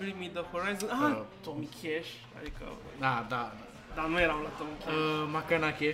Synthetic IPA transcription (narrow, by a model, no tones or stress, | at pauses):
blimid̪əhoɾajzənɦãt̪omikʰeɕ | a̰d̪ika̰ | nad̪a | d̪anəjɾawlat̪omikʰemakanakʰe